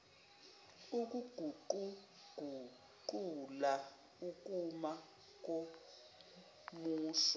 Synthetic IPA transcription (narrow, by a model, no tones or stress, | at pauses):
uk̬ʼuɡ̥ʱuǃu | ɡ̥ʱu | ǃula | ukʼuma | k̬ʼo | muːsa